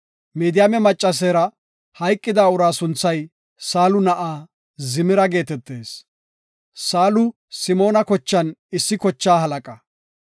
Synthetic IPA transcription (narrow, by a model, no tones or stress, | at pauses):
meːd̪ɪjaːmɛmɐt͡ʃʼːɐs̬eːɾɐ | hɐjkʼːɪd̪aːʊɾaːsʊnt͡sːɐj | saːlʊnɐʔaː | zɪmɪɾɐɡe̞ːt̪ɛt̪ːe̞ːs | saːlʊ | sɪmo̞ːnɐkɔt͡ʃːɐnɪsːɪkɔt͡ʃːaːɦɐlɐkʼɐ